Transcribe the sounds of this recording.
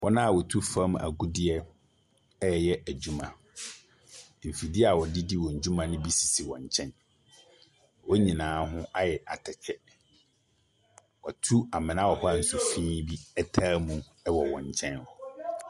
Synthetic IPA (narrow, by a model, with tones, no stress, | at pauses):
wʔɔ˦nã˦˨wɔ˨tʰu˦fa˦m˨a̰˨ɡu˦dɪ˦ɛ˦ | ɛ˦˨jɛ˦æ˨d͡ʑu˦mã˨ | m̩˨fi˨dɪ˦a˨wɔ˨di˦di˦wɔ̃˨ɲ̩˨d͡ʑũ˦mã˨nɪ̃˦bi˦si̥˨si˨wɔ̰̃˨ɲ˨t͡ɕʰɛ̃˦n | wɔ˦ɲĩ˨nãː˨˦ɦʊ̃˦ʔa˦jɛ˨ʔa̰˨tʰɛ˨t͡ɕʰɛ˦ | wɔ˨tʰu˦a˨mɪ̃˨nã˦wɔ˨hɔ˦a˨n̩˨su˨fĩː˦bi˦ɛ˦tʰaː˦mũ˨ | ɛ˦wɔ˨wɔ̰̃˨ɲ˨t͡ɕʰɛ̃˦nɔ˨